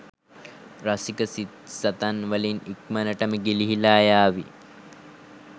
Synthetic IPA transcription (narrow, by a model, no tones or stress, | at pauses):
rasikəsit̪sat̪anʋəlinik̚mənəʈəməɡiliɦilaːjaːʋi